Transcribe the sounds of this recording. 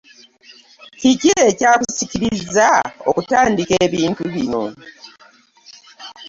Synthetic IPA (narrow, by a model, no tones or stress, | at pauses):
ciciecaːkusiciɾizao̰kutaːndikeːβiːntuβino̞̰